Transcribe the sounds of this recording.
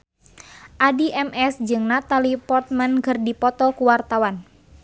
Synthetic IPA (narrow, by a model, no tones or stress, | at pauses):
ʔadiʔɛmɛsd͡ʒɨŋnat̪alipɔrt̪̚mɛnkɨrdipɔt̪ɔkuwart̪awan